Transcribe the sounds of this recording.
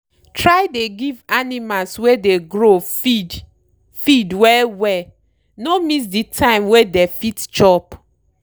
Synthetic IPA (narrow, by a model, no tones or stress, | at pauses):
tʰɹaɪdeɡivanimalswedeɡɹofid | fidwɛlwɛ | nomis̬ditʰãɪ̃mwedefitt͡ʃɔp